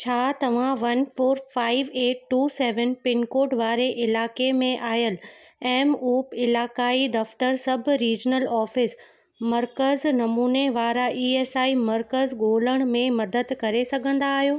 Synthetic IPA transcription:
t͡ɕʰaːt̪ɐʋ̤ãʋɐnfoːɾfaːɪʋeːʈ̚ʈuːseːʋənpɪnkoːɖʋaːɾeʔɪlaːkemẽʔaːɦjəl | ɛːmuːpɪlaːkaːid̪ɐft̪əɾsɐbʱɾiːd͡ʑnəlɔːfɪs | mɐɾkəznɐmuːneʋaːɾaʔiːeːsaːimɐɾkəzɡoːləɽ̃mẽmɐd̪əd̪kɐɾesɐɡʱə̃nd̪aːɦijoː

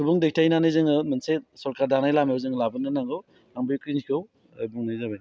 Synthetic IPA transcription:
kʰubuŋdek̚tajnanɯjzɯŋɯmɯnsesɔɾkaɾdanajlamejowzɯŋlabɯnɯnaŋɡɯw | aŋbɯjkinikʰow | ajbuŋnajzabaj

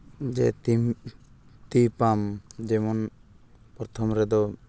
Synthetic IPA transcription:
d͡ʒɛt̪i | t̪ipamd͡ʒɛmɔn | pɾɔt̪ʰɔmɾɛd̪ɔ

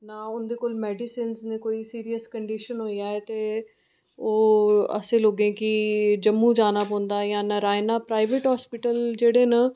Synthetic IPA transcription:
naːʊnd̪eːkoːlmɛːɖɪsiːnsnẽːkoːiːsiːɾijəskəɳɖiʃənɦoːiaːɛːt̪eː | oːə̰sẽːloːɡẽːkɪd͡ʒəmːũːd͡ʒaːnaːpɔ̃ːnd̪aːjãːnaɾaːenaːpɾaːɪʋeʈɦaːspɪʈəld͡ʒeːɽeːnaː

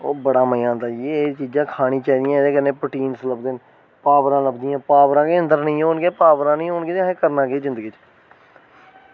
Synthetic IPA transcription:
oːbəɽaːməjãːnd̪aːet͡ʃiːd͡ʒãːkʰaːɽ̃iːt͡ʃaːiːd̪ijãːd̪eːkənẽːpəʈiːnsləbd̪eːn | paːbɾãːləbd̪ɪjãːpaːbɾãːkeːə̃nd̪əɾnəĩːoʊnɡeːpaːbɾãːnĩːonɡeːeẽkəɾnãːɡeːzɪ̃nd̪əɡiːt͡ʃ

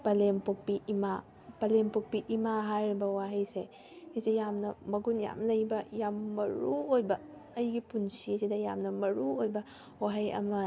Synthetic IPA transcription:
pɐlempok̚piima | pɐlempok̚piʔimaɦajɾbɐwaɦɐjse | hisejamnɐmɐɡunja̰mlɐjbɐjamːɐɾuojbɐː | jɡipunsisidɐjamnɐmɐɾuojbɐ | waɦɐjɐ̰mɐ

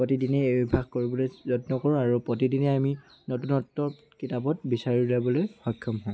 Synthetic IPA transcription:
potidinɛbibʱaɡ̚koɹibɔlojzɔtnɔkɔɹũaɹupɹotidinɛami | notunɔtːɔɹ | kitapɔt̚bisaɹilabɔlojxɔkʰːɔmɦɔj̃

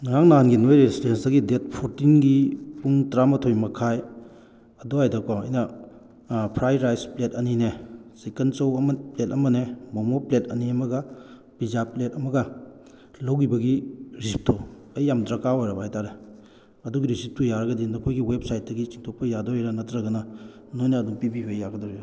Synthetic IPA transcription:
nŋaŋnaɦanɡinojɾesidensdɐɡidet̚pʰoɾtinɡipuŋtɾamɐtʰojmɐkʰaj | ɐdoajdakɔɐ̰jnɐ | pʰɾajɾajspletɐninesekent͡ʃɐwɐmplet̚ɐmɐnemomoplet̚ɐniɐmɐɡɐ | pizapletɐmɐɡɐ | lowɡibɐɡiɾisp̚tʰo | ɐjːamdɾɐkaojɾɐbajtaɾe | ɐduɡiɾisip̚tʰujaɾɐɡɐdinokʰojɡiwep̚sajt̚dɐɡit͡ʃiŋtʰok̚pɐjadoiɾɐnɐtɾɐɡɐnɐ | nojnɐːduŋpibiɦojːaɡɐdɔɾi

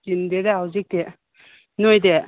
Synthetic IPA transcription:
d͡ʒindedaɦawzik̚de | nojde

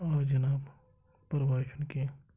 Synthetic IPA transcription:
ad͡ʒɐnaːb | pəɾbaːʃənke

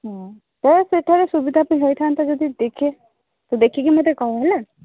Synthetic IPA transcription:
ɦɔ̃ | t̪ɔseʈʰɔɾesubid̪ʱapaĩɦojt̪ʰant̪ɔd͡ʒɔd̪id̪ekʰe | t̪ɔd̪ekʰikimot̪ekɔɦɔɦele

